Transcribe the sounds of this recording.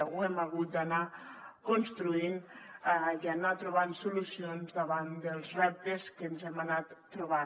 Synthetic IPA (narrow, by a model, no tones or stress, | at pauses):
ɣuɛmaɣut̪̚d̪ana | konst̪ɾuin | ianat̪ɾuβ̞ansulusionzd̪əβand̪əlˠzrɛp̚t̪əskənzɛmanat̪ːɾuβa